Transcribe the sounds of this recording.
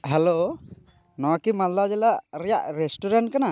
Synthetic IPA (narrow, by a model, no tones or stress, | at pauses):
ɦɛlo | nɔwakimallad͡ʒɛlaʔɾɛjaʔɾesʈuɾaɳʈ̚kana